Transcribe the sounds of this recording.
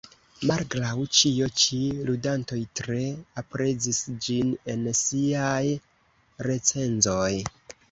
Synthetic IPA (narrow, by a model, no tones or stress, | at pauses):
malɡɾawt͡ʃio̞t͡ʃiludanto̞jtɾe̞apɾe̞d͡zisd͡ʒine̞nsiaj | ɾe̞t͡se̞nzo̞j